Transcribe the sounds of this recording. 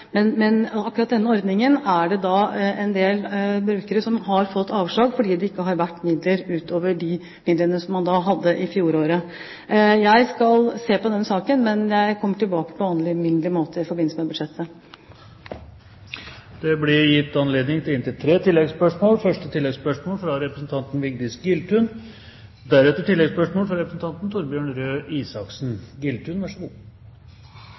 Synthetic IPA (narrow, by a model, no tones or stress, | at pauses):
mɛnmɛnɑkːʉɾɑt̪̚d̪ɛnːəɔɾd̪nɪŋənæɖɛd̪ɑɛnd̪eːlbɾʉːkəɾəsɔmɦɑɾfɔt̪ːɑːʋʂɭɑːɡfɔɖiːd̪ɛɪkːəɦɑɾʋæʈːmɪd̪ləɾʉːt̪ʰoːʋəɖɪ | mɪd̪lənəsɔmːɑnd̪ɑːɦɑd̪ːəʔɪfjuːɾoːɾə | jæɪskɑlseːpɔd̪ɛnːəsɑːkənmɛnjæɪkʰɔmːəʈɪlbɑːkə̥pʰɔʋɑːnlɪmʏnlɪmoːt̪ʰəɪfɔɾbɪnləsəmɛbʉd̪ʂɛt̪ʰːə | d̪̥ɛblɪɾjɪt̪ːɑnleːd̪nɪŋt̪ʰɪlɪnt̪ɪlt̪ʰɾeːt̪ʰɪlːɛɡspœʂmoːlfœʂʈət̪ʰɪlːɛɡspœʂmoːlfɾɑɾɛpɾəsn̩t̪ʰɑnt̪n̩ʋɪɡd̪ɪsɡɪlt̪ʉn | d̪æɾɛt̪ːəʈɪlːɛɡspœʂmoːlfɾɑɾɛpɾəsn̩t̪ɑnt̪n̩t̪ʰʊɾbjøːɳɾøːʔiːsɑksn̩ɡɪlt̪ʰʉːnʋæʂəɡṵ